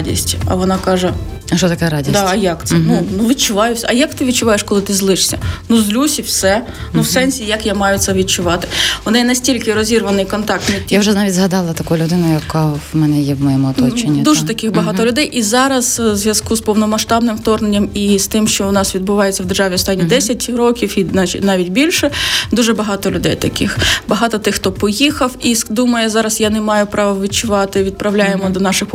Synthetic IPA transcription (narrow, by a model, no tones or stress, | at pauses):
dʲḭsʲtʲɐ̰ʋɔnɑkɑʒɛ | ʃɔt̪ɐkɛɾadʲisd̪ɑɐjɑkt̪sɛnunuʋʲidt͡ʃʊʋɑjʊsʲɐjakt̪ɪʋʲid̚t͡ʃʊʋɑjeʃkɔlˠɪt̪ɪzlˠɪʂsʲɐnuzlʲusʲiwsɛ | nuwsɛnʲsʲijɐkjamɑjʊt̪sʲɛʋʲid̪̚t͡ʃʊʋɑt̪ɪ̥ʋɔnɪjɛnɐsʲtʲilʲkɪɾɔzʲirʋɐnɪjkɔnt̪ɑk̚t̪nɪawʒɛnɑʋʲitʲzɦɐd̪ɑlˠɐt̪ɐkujlʲʊd̪ɪnʊjɐkamɛnɛjɛmɔjɛmuɐt̪ɔt͡ʃenʲːid̪uʒɛt̪ɐkɪxbɐɦɑt̪ɔlʲʊd̪ɛjʔizɑɾɐzzʋʲjɐzkuspɔwnɔmɐʃt̪ɑbnɪmwt̪ɔrnenʲːɐmist̪ɪmʃt͡ʃɔʊnɑsʋʲid̪̚bʊʋɑjet͡sʲːɐwd̪erʒɑʋʲiɔst̪ɑnʲːid̪ɛsʲɐtʲɾɔkʲiwinanɑʋʲitʲbʲilʲʃɛd̪uʒɛbɐɦɑt̪ɔlʲʊd̪ɛjt̪ɐkɪxbɐɦɑt̪ɔt̪ɪxt̪ɔpɔjixɐwisd̪umɐjɛzɑɾɐsjanemɑjʊpɾɑʋɐʋʲit͡ʃʊʋɑt̪ɪʋʲid̪̚pɾɐʋlʲajemɔd̪ɔnɑʃɪx